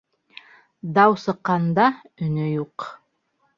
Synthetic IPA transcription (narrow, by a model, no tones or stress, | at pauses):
d̪ɑwsɤ̆qːɑnd̪ɑ | ɵ̆nɵjuq